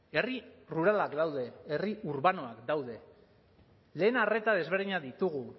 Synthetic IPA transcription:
e̞riruɾalakd̪awðe̞eriuɾβano̞akd̪awðe̞ | le̞ːnare̞t̪að̞e̞zβ̞e̞ɾðiɲaðit̪uɣu

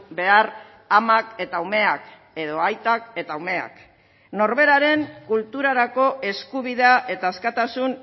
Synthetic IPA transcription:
be̞ar | amake̞t̪aume̞ak | e̞ðo̞ajt̪ake̞t̪aume̞a̰k | no̞ɾβe̞ɾaɾe̞ŋkult̪uɾaɾako̞ʔe̞skuβiðeaʔe̞t̪aeskat̪asun

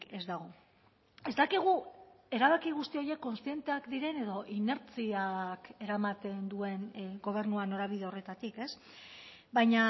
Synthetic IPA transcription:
e̞zd̪aɣ̞o̞ | e̞zt̪akiɣ̞u | e̞ɾaβ̞akiɣ̞ust̪io̞je̞kːo̞nst̪ie̞nt̪e̞akd̪iɾe̞ne̞ðo̞ʔine̞ɾt͡siake̞ɾamat̪e̞nd̪ue̞nɡo̞β̞e̞ɾnuano̞ɾaβ̞iðe̞o̞re̞t̪at̪ike̞s | bajɲa

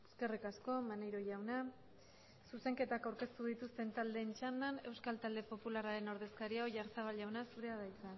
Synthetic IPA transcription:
eske̞rikasko̞manejɾo̞ʝawna | suse̞ŋke̞t̪akawɾke̞st̪uð̞it̪ust̪e̞nt̪ald̪e̞ːnt͡ʃand̪ane̞wskalt̪ald̪e̞po̞pulaɾaɾe̞no̞ɾð̞e̞skaɾiaoʝaɾt͡saβ̞alawnasuɾe̞aðajt͡s̪a

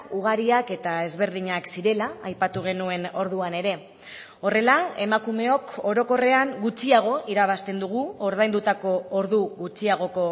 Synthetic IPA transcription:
uɣ̞aɾiake̞t̪ae̞zβe̞ɾðiɲaksiɾe̞laːjpat̪uɣ̞e̞nue̞no̞ɾðuane̞ɾe̞ | o̞re̞lae̞makume̞o̞ko̞ɾo̞ko̞re̞aŋɡut͡ʃiaɣ̞o̞ʔiɾaβ̞ast̪e̞nd̪uɣ̞uoɾðajnd̪ut̪ako̞oɾðuɣut͡ʃiaɣ̞o̞ko̞

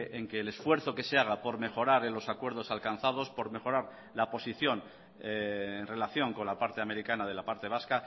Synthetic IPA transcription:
ʔeŋke̞ːlesfwe̞ɾθo̞ke̞se̞aɣ̞apo̞ɾme̞χo̞ɾaɾelo̞sakwe̞ɾð̞o̞salkanθaðo̞spo̞ɾme̞xo̞ɾaɾ | lapo̞siθjo̞ŋ | nre̞laθjo̞ŋko̞nlapaɾt̪e̞ame̞ɾikanað̞e̞lapaɾt̪e̞β̞aska

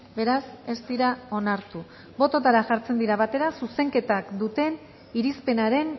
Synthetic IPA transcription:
be̞ɾase̞st̪iɾao̞naɾt̪u | bo̞t̪o̞t̪aɾaʝaɾt͡se̞nd̪iɾaβat̪e̞ɾasuse̞ŋke̞t̪akd̪ut̪e̞n | iɾispe̞naɾe̞n

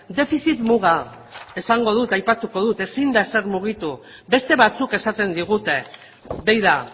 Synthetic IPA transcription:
d̪e̞fisit̪muɣ̞a | e̞saŋɡo̞ð̞ut̪ajpat̪uko̞ðut̪e̞sind̪aese̞ɾmuɣ̞it̪u | be̞st̪e̞β̞at͡suke̞sat̪e̞nd̪iɣ̞ut̪e̞ | bejða

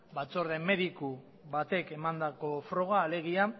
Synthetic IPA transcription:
bat͡so̞ɾðe̞mːe̞ðiku | βat̪e̞ke̞mand̪ako̞fɾo̞ɣ̞aːle̞ɣ̞ia

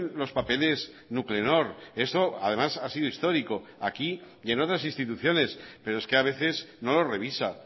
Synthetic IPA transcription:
nlo̞spape̞lez | nukle̞no̞ɾe̞st̪o̞að̞e̞masasiðoist̪o̞ɾiko̞aki | je̞no̞t̪ɾasinst̪it̪uθjo̞ne̞spe̞ɾoeskeaβ̞e̞θe̞zno̞lo̞re̞β̞isa

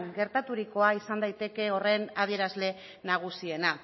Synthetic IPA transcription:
ŋɡe̞ɾt̪at̪uɾiko̞aisand̪ajt̪e̞ke̞o̞re̞nað̞ie̞ɾazle̞ | naɣ̞usie̞na

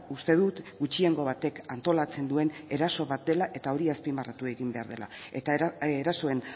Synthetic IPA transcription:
ust̪e̞ðut̪ɡut͡ʃie̞ŋɡo̞βat̪e̞kant̪o̞lat͡se̞nd̪ue̞ne̞ɾaso̞βat̪̚d̪e̞laʔe̞t̪ao̞ɾiaspimbarat̪ueɣimbe̞aɾð̞e̞la̰et̪aeɾaso̞e̞n

